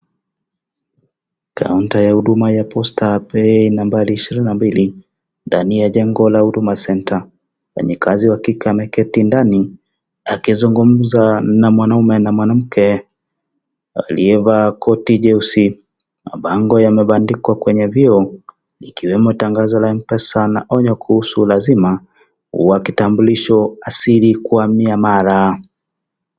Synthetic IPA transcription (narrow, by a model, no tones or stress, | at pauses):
kʰa̰untajahuɗumajapʰɔstapɛinambaliːʃiɾininambili | ndanijaʄɛŋɡɔlahuɗumasɛntʰa | wɛ̰ɲɛkaziwakikamɛkɛtindani | akizuŋɡum̩zanamwanaumɛnamwanam̩kɛ | a̰liɛvakɔtiʄɛusi | ma̰ɓaŋɡɔjamɛɓandikwakwɛɲɛviɔ | ikiwɛmɔtaŋɡazɔlaɛm̩pɛsanaʔɔɲɔkuhusulazima | uwakitambuliʃɔasiɾikuamiamaɾa